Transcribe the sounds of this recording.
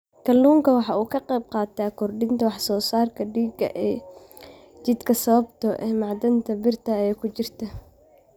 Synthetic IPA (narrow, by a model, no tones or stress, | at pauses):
kʰɐlːuːŋkʰɐwɑħɑuːkʰɐqɛjb̚qɑːt̪ʰaːkʰɔrɖɪnt̪ʰɐwɑħsɔːsaːrkʰɐɖiːɡɐ̰ʔɛː | t͡ʃɪd̪kʰɐsɐβɐbt̪ʰɔʔɛːmɑʕd̪ɐnt̪ʰɐbɪrt̪ʰɐɛːkʰʊt͡ʃɪrt̪ʰɐ